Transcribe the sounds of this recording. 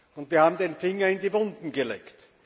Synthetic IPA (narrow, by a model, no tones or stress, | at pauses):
ʊntviːɐhaːbm̩d̪enfɪŋɐɪndivʊndn̩ɡəlḛːkt